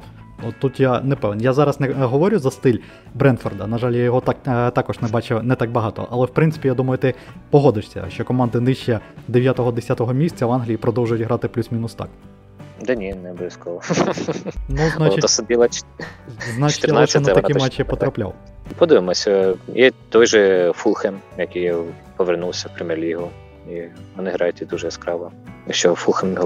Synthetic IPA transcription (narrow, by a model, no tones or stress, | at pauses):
ɔt̪ːut̪janɛpɛʋnjazɑɾɐsnɛɦɔʋɔɾʲʊzɐst̪ɪlʲ | bɾɛnt̪fɔrd̪ɐnɐʒɑlʲjajɔɦɔt̪ɑkt̪ɑkɔʒnɛbɑt͡ʃɛnɛt̪ɑɡ̚bɐɦɑt̪ɔ̰ʔɐlˠɛwpɾɪntsɪ̥pʲijad̪umɐjʊt̪ɪpɔɦɔd̪ɪʂsʲɐ̰ʃt͡ʃɔkɔmɑnd̪ɪnɪʃt͡ʃɛd̪eʋʲjat̪ɔɦɔd̪esʲat̪ɔɦɔmʲisʲt͡sʲːɐʋɑnɦlʲijipɾɔd̪ɔwʒʊjʊtʲɦɾɑt̪ɪplʲusmʲinʊst̪ɑ̰k | d̪ɛnʲinɛbskɔɔ | nuznat͡ʃɪɔsɐd̪ilˠɐ | znɑt͡ʃɪ̥t̪ʲɐlnˠɛɐɛnɛɐt̪ɐɛmɛt͡ʃːɛp̪ɔt̪ɾɐplʲa̰w | pɔd̪ɪʋɪmɔsʲɐjɛt̪ɔjʒɛfulˠxemjɐkɪj | pɔʋernulˠsʲɐwpɾʲɪmɛrlʲiɦʊ | iʋɔnɪɦɾɑjʊt̪ʲid̪uʒɛskɾɑʋɔ | jɐkʃt͡ʃɔfulˠxemjɦ